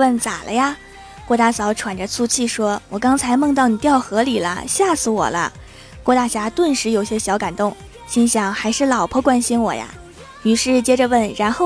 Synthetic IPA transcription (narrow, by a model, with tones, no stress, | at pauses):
wə˥˩nt͡sa̰˨˩lʔə˦ja˧ | kwɔ˥˧t̪a˥˩sɑ˧˥ʊʈ͡ʂʰwa˨˩nʈ͡ʂə˦t͡sʰu˥˧t͡ɕʰi˥˩ʂwɔ˥wɔ˨˩kɑ˥ŋt͡sʰa˧˥ɪmɤ˥˧ŋt̪ɑ˥˩ʊni˨˩t̪jɑ˥˩ʊxɤ˧˥li˨˩lə̰˦ɕja˥˩sɹ̩˧˩wɔ̰˨˩lə̰˦ | kwɔ˥˧t̪a˥˩ɕja˥t̪wə˥˩nʂɻ̩˧˥jo˨˧˩ʊɕjɛ˥ɕjɑ˧˥ʊka˨˩nt̪ʊ˥˩ŋ | ɕi˥nɕjɑ˨˥˩ŋxa˧˥ɪʂɻ̩˥˩lɑ˨˩ʊpʰɔ˥kwa˥nɕi˥nwɔ̰˨˩ja̰˥ | ny˨˩ʂɻ̩˥˩t͡ɕjɛ˥ʈ͡ʂə˧wə˥˩nɻa˧˥nxo˥˩